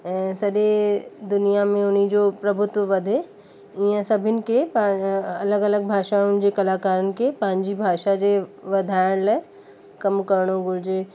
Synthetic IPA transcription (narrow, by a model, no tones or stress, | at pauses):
ɛ̃ːsɐɗed̪ʊnijamẽʊn̤id͡ʑopɾɐbʱʊt̪ʋəʋɐd̪ʱe | iə̃sɐbʱɪnɪ̆kepɐləɡɐləɡ̚bʱaːʃaʊnɪ̆d͡ʑekɐlaːkaːɾənɪ̆kepɐɦɪ̃ɲd͡ʑibʱaːʃad͡ʑeʋɐd̪ʱaːɪɽ̃laːɪ | kɐmkɐɾɽ̃oɡʊɾd͡ʑeː